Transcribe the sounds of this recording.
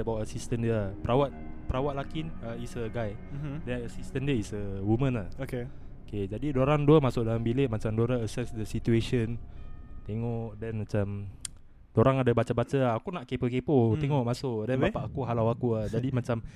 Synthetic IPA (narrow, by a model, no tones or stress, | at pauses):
əbawʔəsist̪əndəpəɾawat̪̚pəɾawat̪̚lakinəisəɡaj | dɛnəsist̪əndəisəwumə̃naoke | oked͡ʒadidoɾaŋduəmasʊʔdalambileʔmãt͡ʃamdoɾaəsɛsdəsit̪ueʃənt̪eŋɔʔʔdɛnmat͡ʃam | doɾaŋadabat͡ʃabat͡ʃaakunaʔkepokepot̪eŋɔʔmasʊʔdɛnbbapaʔakuɦalawakuad͡ʒadimat͡ʃam